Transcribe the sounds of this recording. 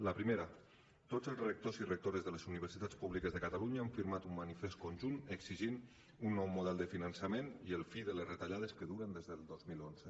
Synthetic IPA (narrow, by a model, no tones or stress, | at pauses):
ləpɾimeɾə | t̪ozəlˠzrək̚t̪ozirək̚t̪oɾəzðələzuniβ̞əɾsit̪at͡spuβlikəzðəkat̪aluɲaːɱfiɾmat̪ummanifest̪̚konʲʒunəɡziʒin | unːɔwmuð̞ɛlˠd̪əfinənsəmeniəlˠfiðələzrət̪aʎaðəskəðuɾənd̪ezðəlˠd̪ozmilˠonz̥ə